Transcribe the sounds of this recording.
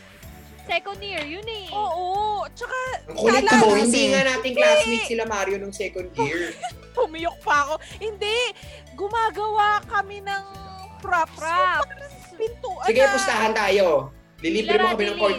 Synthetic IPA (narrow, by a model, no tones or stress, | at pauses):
sɛkond̪jiɹjʊnɛʔoːʔot͡ʃɐkaɐŋkolɪmohɪnd̪iːŋanaːt̪ɪŋklasmisɪlɐmaɾjonʊŋsɛkond̪jiɹ | pʊmɪjok̚pɐɐko̞hɪnd̪ɛ | ɡʊmaːɡɐwakɐmɪnɐŋpɾapɾɐ | pɪnt̪uːʔɐsɪɡajpʊst̪aɦɐnt̪aːjo | lɪliːbɾɪmokɐmɛnɐŋoɹt̪